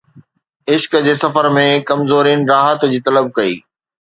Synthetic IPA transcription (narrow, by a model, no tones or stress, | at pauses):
ɪʃkd͡ʑeːsɐfəɾmẽkɐmzoːɾinɾaːɦət̪d͡ʑiːt̪ɐləb̚kɐḭː